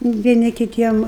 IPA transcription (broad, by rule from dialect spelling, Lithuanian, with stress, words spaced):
ʋʲiɛˈnʲɪ kʲɪˈtʲiɛm